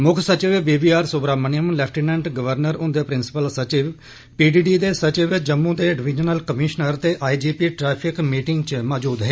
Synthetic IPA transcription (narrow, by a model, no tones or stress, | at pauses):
mʊkʰsət͡ʃɪʋebiːbiːaːɾsʊbɾaːmənijəmlɛːpʰʈiːnɛ̃ːɳʈɡəʋəɾnəɾʊ̃nd̪eːpɾɪnsɪ̥pəlsət͡ʃɪʋ | piːɖiːɖiːd̪eːsət͡ʃɪʋd͡ʒəmːũːd̪eːɖɪʋɪd͡ʒənəlkəmɪʃnəɾt̪eːʔaːid͡ʒiːpiːʈɾɛːpʰɪkmiːʈɪŋɡt͡ʃmaːd͡ʒuːd̪ɦeː